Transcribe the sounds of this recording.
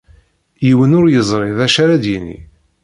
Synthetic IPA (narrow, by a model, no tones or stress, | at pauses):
jiwənʊɾjəzˤɾˤɪðæʃaɾad̪jinḭ